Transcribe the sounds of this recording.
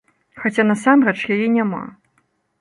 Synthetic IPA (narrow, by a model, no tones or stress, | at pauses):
xat͡sʲanasamɾɛt͡ʂjajɛnʲama̰